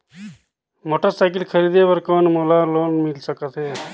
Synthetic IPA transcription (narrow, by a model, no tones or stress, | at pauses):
moːʈəɾsaːɪkəlkʰəɾiːd̪eːʋəɾkoːnmoːlaːloːnmɪlsəkət̪ɦeː